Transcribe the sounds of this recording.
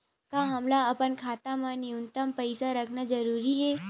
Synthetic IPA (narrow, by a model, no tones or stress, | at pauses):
kaɦɐmlaɐpənkʰaːt̪amãniʊnt̪əmpɐɪsaɾɐkʰnad͡ʒɐɾuːɾiɦɛː